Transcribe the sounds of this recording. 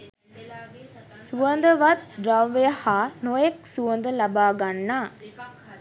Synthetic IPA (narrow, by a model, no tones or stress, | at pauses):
suʋɐnd̪ɐʋɐt̪̚ɾɐʋjɐhaːnojɐksuʋɐnd̪ɐlɐbaːɡɐnːaː